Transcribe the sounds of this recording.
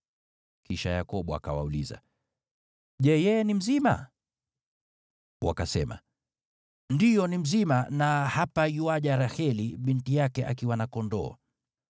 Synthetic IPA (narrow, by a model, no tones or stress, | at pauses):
kiʃajakɔɓua̰kawa̰uliza̰ | ʄɛjɛɛnim̩zima̰ | wa̰kasɛma̰ | ndijɔnim̩zimanahapajuwaʄaɾahɛliɓintijakɛʔakiwanakɔndɔː